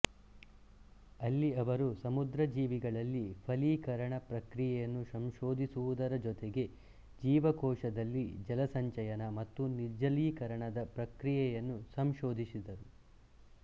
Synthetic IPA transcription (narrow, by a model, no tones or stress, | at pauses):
ɐlːiɐʋɐɾusɐmud̪ɾɐd͡ʒiːʋiɡɐɭɐlːipʰɐliːkɐɾɐɳɐpɾɐkɾijɛjɐnːusɐmʃoːd̪ʱisuʋud̪ɐɾɐd͡ʒɔt̪eɡe̞ | d͡ʒiːʋɐkɔːʂɐd̪ɐlːid͡ʒɐlɐsɐɲt͡ʃɐjɐnɐmɐt̪ːuniɾd͡ʒɐliːkɐɾɐɳɐd̪ɐpɾɐkɾijɛjɐnːusɐmʃoːd̪ʱisid̪ɐɾu